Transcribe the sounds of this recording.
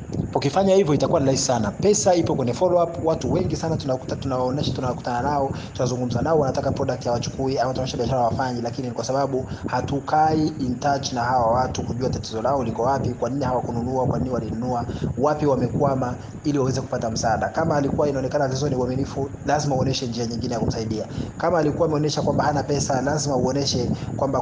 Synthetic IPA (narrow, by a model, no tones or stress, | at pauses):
pɔkifaɲahivjɔitakuwaniɾaisisanapɛsaipɔkwɛɲɛfɔlɔapwatuwɛŋɡisanatntunawaɔnɛʃatunawkutananaɔ | tunazuŋɡum̩zanaɔwanatakapɾɔɗak̚tihawat͡ʃu̥kuiamatunɔnɛʃaɓiaʃaɾahawafaɲɛlakininikwasaɓaɓuhatukaiintat͡ʃnahawawatukuʄuatatizɔlaɔulikɔwapikwaninihawakununuakwaniniwalinunuawapiwamɛkwama | iliwawɛzɛku̥patam̩saːɗakamaːlikuwainaɔnɛkanavizɔniuaminifu | lazimauɔnɛʃɛnd͡ʒiaɲiŋɡinɛjakum̩saiɗiakamaːlikuwaːmɛɔnɛʃakwambahanapɛsalazimauɔnɛʃɛkwamba